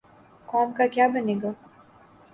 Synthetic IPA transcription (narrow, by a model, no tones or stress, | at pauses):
kɔːmkakjaːbɐneːɡa